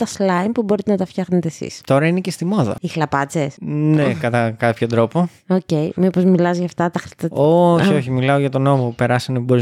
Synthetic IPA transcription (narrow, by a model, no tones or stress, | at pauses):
t̪ɐslɐjmpubo̞ɾit̪enɐt̪ɐft̪çɐxnet̪esḭst̪o̞ɾɐinecest̪imo̞ðɐ̰ixlɐpɐt͡sesnekɐt̪ɐkɐpçod̪ɾo̞po̞ | oce̞jmipo̞zmilɐzʝɐft̪ɐt̪ɐxɾit̪ɐoçio̞çimilɐoʝɐt̪o̞nomoupe̞ɾɐsɐneboiz